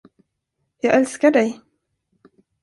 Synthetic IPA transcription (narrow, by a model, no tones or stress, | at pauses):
jɑːɡɛlskaɖɛj